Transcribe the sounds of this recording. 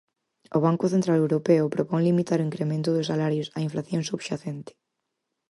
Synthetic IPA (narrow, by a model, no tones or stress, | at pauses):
oβ̞aŋkʊθent̪ɾalewɾopeʊpɾopɔŋlimit̪aɾʊiŋkɾemẽnt̪ʊðʊsalaɾjʊsaiɱflaθjõŋsuβʃaθent̪ɪ̥